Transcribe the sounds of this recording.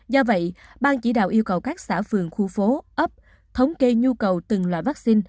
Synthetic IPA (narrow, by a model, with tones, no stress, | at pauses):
zɔ˧və̰˧˨jɓaː˧nt͡ɕi˧˩˦ɗa̰ː˧˨wʔi˧əwkə˨˩wkaː˦˥k̚sa̰ː˧˩fɨ˨˩əŋxu˧˩fo˨˦ʔə˦˥p̚ | t̪ʰə˨˦wŋ͡mke˧ɲu˧kə˨˩wt̪ɨ˨˩ŋlwa̰ː˧˨jvaː˦˥k̚si˧n